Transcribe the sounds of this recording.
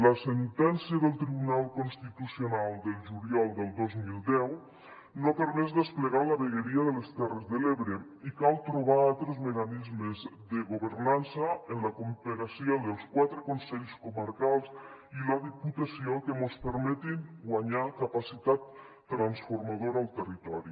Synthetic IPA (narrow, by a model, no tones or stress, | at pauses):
lasent̪ɛnsiəðelˠt̪ɾiβunalˠkonst̪it̪usjonalˠd̪elˠʒuɾjalˠd̪elˠd̪ozmilˠd̪ɛw | nopəɾmɛzðespleɣalaβeɣeɾiaðelest̪ɛrezðeleβɾe | ikalˠt̪ɾoβ̞aalˠt̪ɾezmekanizmezðəɣoβəɾnansəenləkompeɣasiod̪əlˠskwat̪ɾekonsɛʎskuməɾkalˠsilaðiput̪asiokəmospəɾmɛt̪inɡwaɲakapasit̪at̪ː | ɾansfoɾmaðoɾaːlˠt̪ərit̪ɔɾi